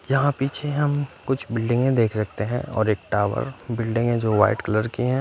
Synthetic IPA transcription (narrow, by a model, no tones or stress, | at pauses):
jɐɦãpiːt͡ʃʰeɦɐmkʊt͡ʃʰbɪlɖɪ̃ŋɡẽd̪eːkʰsɐk̚t̪eɦɛ̰̃ɔ̰ːɾeːk̚ʈaːʋə̰ɾbɪlɖɪ̃ŋɡɦɛ̃d͡ʒoːʋa̰ːɪʈkɐləɾkiɦɛ̃ː